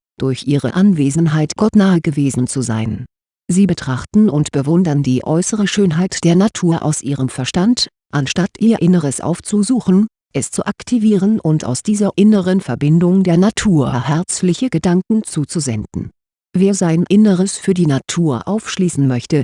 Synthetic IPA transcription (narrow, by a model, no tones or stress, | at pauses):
d̥ʊɐçʔiːʁə̰ʔanveːzənɦaɪtɡ̥ɔtnaːəɡəveːzn̩t͡suza̰ɪn | ziːbətʁ̥aχtn̩ʊntb̥əvʊndɐndiːʔɔʏsəʁəʃøːnɦaɪtd̥eːɐnatʰuːɐʔa̰ʊsʔiːʁəmfɛɐʃtant | ʔanʃtatʔiːɐʔɪnəʁəsʔa̰ʊft͡suzuːxn̩ | ʔɛst͡suʔaktʰiviːʁənʔʊnta̰ʊsd̥iːzɐʔɪnəʁənfɛɐbɪndʊŋdeːɐnatʰuːɐɐhɛɐt͡slɪçəɡ̥ədaŋkŋ̩t͡suːt͡suzɛndn̩ | veːɐzaɪnʔɪnəʁ̞əsfyːɐdiːnatʰuːɐʔaʊfʃliːsn̩mœçtə